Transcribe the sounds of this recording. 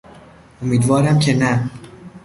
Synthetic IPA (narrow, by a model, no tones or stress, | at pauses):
omiːd̪vɒːɾæmcʰe̞næ